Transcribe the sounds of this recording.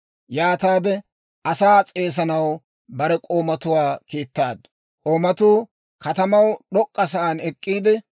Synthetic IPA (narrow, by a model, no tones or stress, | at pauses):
jaːt̪aːd̪ɛ | ʔɐsaːt͡sʼeːs̬ɐnɐw | bɐɾɛkʼo̞ːmɐt̪ʊwaːkiːt̪ːaːd̪ | kʼo̞ːmɐt̪uː | kɐt̪ɐmɐwɗɔkʼːɐsɐʔanɛkʼːiːd̪ɪ